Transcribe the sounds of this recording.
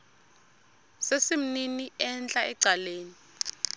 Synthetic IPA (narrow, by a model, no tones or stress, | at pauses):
sesim̩niniɛnt͡ɬʼaɛǀaleːni